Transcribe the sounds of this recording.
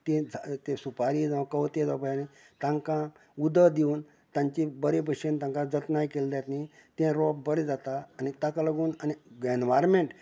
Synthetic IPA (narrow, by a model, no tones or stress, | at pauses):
t̪ĩd͡zat̪ẽsupaɾid͡zãʋkəʋt̪ẽd͡zapəjani | t̪ãŋkã | ud̪əd̪uːn | t̪ãɲt͡ɕibəɾepəɕent̪ãŋkãd͡zət̪najkeld̪jat̪nit̪ẽɾɔp̚bəɾed͡zat̪aːnit̪akaləɡuːnaniɡenʋaɾmeɳʈ